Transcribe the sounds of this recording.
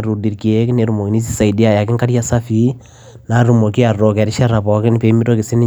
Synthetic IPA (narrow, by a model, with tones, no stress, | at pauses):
ɾu˨di˨ɾki˨e˦kɪ˦ne˨ɾu˨mo˨ki˨ni˦s̬i˦sa˨idi˦a˨ja˨kɪ˦ŋka˦ɾja˦sa˦fi˦ | naɾu˨mo˨ki˦a˨rɔkɛ˨ɾɪ˦ʃa˦ɾa˨pɔ˨kɪnɪ˦pe˨mi˦ɾo˦kɪ˨sɪ˦nɪ˦